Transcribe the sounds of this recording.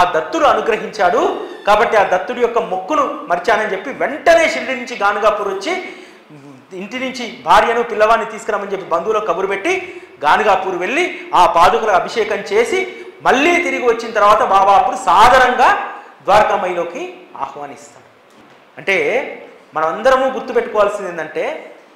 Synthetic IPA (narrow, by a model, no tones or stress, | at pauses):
aːd̪ɐt̪ːuɽuɐnuɡɾɐɦiɲt͡ʃaːɽukaːbɐʈːiaːd̪ɐt̪ːuɽujɔkːɐmokːunumɐɾt͡ʃaːnɐnit͡ʃe̞pːiʋeɳʈɐne̞ːʃiɾɽinuɲt͡ʃiɡaːnuɡaːpuːɾʋɐt͡ʃːi | iɳʈinuɲt͡ʃibʱaːɾjɐnupilːɐʋaːnːit̪iːsu̥kɾaːmɐnd͡ʒe̞pːibɐnd̪ulo̞ːkɐbuɾupe̞ʈːiɡaːnuɡaːpuːɾuʋe̞ɭːiaːpaːd̪ukulɐɐbʱiʂɛːkɐmt͡ʃe̞ːsimɐɭːiːt̪iɾiɡiʋɐt͡ʃːinɐt̪ɐɾʋaːt̪ɐbaːʋaːpːuɽusaːd̪ʱaːɾɐŋɡaːd̪ʋaːɾɐkɐmɐjlo̞ːkia̰ːhʋaːnist̪aːɾu | ɐɳʈe̞ː | mɐnɐmɐnd̪ɐɾɐmuːɡuɾt̪ːupe̞ʈːukɔːʋaːlsind̪end̪ɐɳʈe̞ː